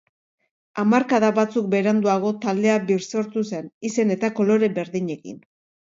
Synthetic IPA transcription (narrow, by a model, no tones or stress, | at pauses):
amaɾkaðaβat͡suk̚be̞ɾand̪uaɣ̞o̞t̪ald̪e̞abiɾso̞ɾt̪use̞nise̞ne̞t̪ako̞lo̞ɾe̞be̞ɾðiɲe̞kḭn